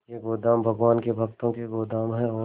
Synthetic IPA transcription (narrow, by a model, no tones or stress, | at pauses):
jeɡoːd̪aːmbʱɐɡʋaːnkebʱɐɡt̪õkeɡoːd̪aːmɦɛɔː